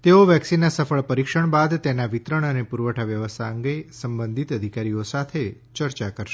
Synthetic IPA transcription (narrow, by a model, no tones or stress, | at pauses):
t̪eoʋjɛksinːasəfəɭpəɾikʃəɳ̃bad̪t̪enaʋit̪ɾəɳ̃ənepuɾʋəʈʰaʋjəʋəst̪ʰaəŋɡesəmbənd̪ʱit̪əd̪ʱikaɾijosat̪ʰe | t͡ʃəɾt͡ʃakəɾʃe